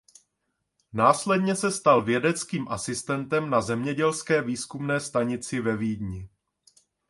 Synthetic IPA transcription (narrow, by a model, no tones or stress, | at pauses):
naːslɛdɲɛsɛst̪alvjɛdɛt͡skiːmʔasɪst̪ɛnt̪ɛmnazɛmɲɛɟɛlskɛːviːskumnɛːst̪aɲɪt͡sɪvɛviːdɲɪ